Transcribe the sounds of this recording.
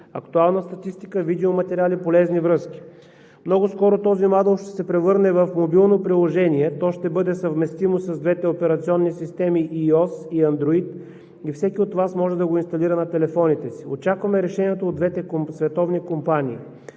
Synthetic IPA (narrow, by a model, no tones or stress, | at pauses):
ɐkt̪ualˠnəst̪ɐt̪ist̪ikəvid̪ɛomɐt̪ɛɾʲialipolɛznivɾɤskʲi̥ | mnɔɡoskɔɾot̪ɔzimad̪əlˠʃt̪ɛ̥sɛpɾɛvɤɾnɛvɐfmobilˠnopɾilˠoʒɛniɛt̪ɔʃt̪ɛbɤd̪ɛsəvmɛst̪imosɐzd̪vɛt̪ɛopɛɾɐt̪siɔnːisist̪ɛmiʔiɔsiɐnd̪ɾoit̪ | ifsɛkʲiot̪vasmɔʒɛd̪ɐɡoinst̪ɐliɾənɐt̪ɛlɛfɔnit̪ɛsiot͡ʃakvɐmɛɾɛʃɛniɛt̪oːd̪d̪vɛt̪ɛkosvɛt̪ɔvnikompaniḭ